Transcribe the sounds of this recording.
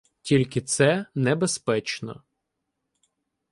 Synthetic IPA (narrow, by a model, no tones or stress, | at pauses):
tʲilʲkɪt̪sɛnɛbespɛt͡ʃnɔ̰